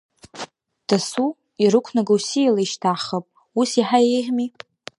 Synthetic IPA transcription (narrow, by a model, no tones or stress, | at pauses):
d̥asu | iɾɨkʷʰnaɡawsilaiʃtʰaχəpʼ | usiħaeħmi